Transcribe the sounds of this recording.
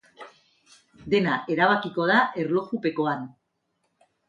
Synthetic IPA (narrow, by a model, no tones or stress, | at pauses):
d̪e̞naʔe̞ɾaβ̞akiko̞ð̞aʔe̞ɾlo̞xupe̞ko̞an